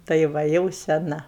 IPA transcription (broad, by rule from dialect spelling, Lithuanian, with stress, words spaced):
tɐɪ ˈʋɐ jɛʊ sʲɛˈnɐ